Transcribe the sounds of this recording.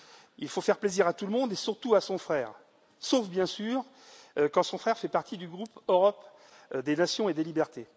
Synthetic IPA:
ilfofɛʁpleziʁat̪uləmɔ̃d̪esyʁt̪uasɔ̃fχɛːʁ | sofbjɛ̃syːʁ | økɑ̃sɔ̃fχɛʁfɛpaʁt̪ʰid̪yɡʁupøʁɔp | d̪enasjɔ̃ed̪elibɛʁt̪e

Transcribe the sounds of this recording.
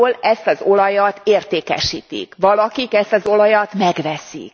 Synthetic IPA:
lɛst̪ɒzo̞lɒjɒt̪eːrt̪eːkɛ̰ʃiːt̪ḭkʋɒlɒkikɛst̪ɒzo̞lɒjɒt̪mɛɡʋɛsḭk

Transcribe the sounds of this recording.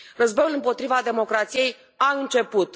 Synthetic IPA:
rəzbojulɨmpo̞t̪ɾivad̪e̞mo̞kɾat̪sije̞j | aɨnt͡ʃe̞put̪

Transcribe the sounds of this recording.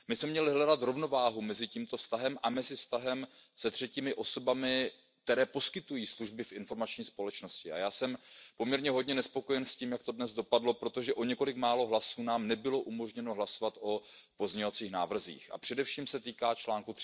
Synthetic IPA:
mɪsmɛmɲɛlɪɦlɛdat̪ɾo̞vno̞vaːɦumɛzɪciːmt̪ofst̪aɦɛmʔamɛzɪfst̪aɦɛmsɛt̪r̝̥ɛciːmɪʔo̞so̞bamɪ | k̚t̪ɛɾɛːpo̞skɪt̪ujiːsluʒbɪfʔɪnfo̞ɾmat͡ʃɲiːspo̞lɛt͡ʃno̞scɪa̰jaːsɛmpo̞mɲɛɾɲɛɦo̞d̚ɲɛnɛspo̞ko̞jɛnsciːmjak̚t̪o̞dnɛzdo̞padlo̞pɾo̞t̪o̞ʒɛʔo̞ɲɛko̞lɪkmaːlo̞ɦlasuːnaːmnɛbɪlo̞ʔumo̞ʒɲɛno̞ɦlaso̞vat̪ʔopo̞zɲɛɲovat͡siːxnaːvr̩zḭːxʔa̰pr̥ɛdɛfʃiːmsɛt̪iːkaːt͡ʃlaːŋkut̪

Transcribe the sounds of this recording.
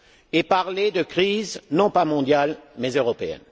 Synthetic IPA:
epaʁled̪əkχiznɔ̃pamɔ̃d̪jalmɛzøʁɔpeɛ̰n

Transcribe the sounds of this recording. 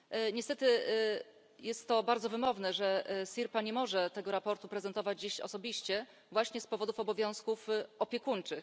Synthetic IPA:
ɲɛst̪ɛt̪ɘ | jɛst̪ːɔbaɾd̪zɔvɘmɔvnɛʐɛsʲiɾpaɲɛmɔʐɛt̪ɛɡɔɾapɔɾt̪upɾɛzɛnt̪ɔvad͡ʑd͡ʑiɕɔ̰sɔbʲiɕt͡ɕɛ | vwaɕɲɛspɔvɔd̪ufɔbɔvʲjɔ̃w̃skufɔpʲjɛkuɲt͡ʂɘx

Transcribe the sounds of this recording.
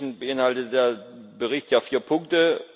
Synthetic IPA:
n̩bəʔɪnhaltədeːɐbəʁɪçtjaːfiːɐpʰʊŋk̚tə

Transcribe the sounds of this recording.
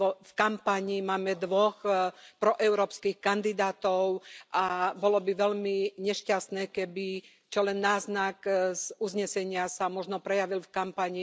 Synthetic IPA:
fkampaɲimaːmɛd̪ʋɔxpɾɔʔɛʊɾɔːpskixkand̪id̪aːt̪ɔʊʔabɔlɔbiʋɛʎmiɲɛʃcast̪nɛːkɛbi | t͡ʃɔlɛnːaːznakzuzɲɛsɛɲɪasamɔʒnɔpɾɛjaʋilfkampaɲi

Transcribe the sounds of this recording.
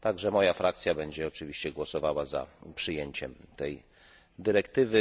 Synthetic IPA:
t̪aɡʐɛmɔjafɾakt̪sʲjabɛɲd͡ʑɛɔt͡ʂɘvʲiɕt͡ɕɛɡwɔsɔvawaza̰pʂɘjeɲt͡ɕɛmt̪ɛj | d̪ɘɾɛkt̪ɘvɘ

